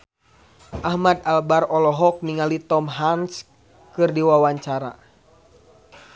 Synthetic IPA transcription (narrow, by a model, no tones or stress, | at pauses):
ʔahmad̪albarɔlɔɦɔk̚niŋalit̪ɔmɦans | kɨrdiwawaɲt͡ʃaɾa̰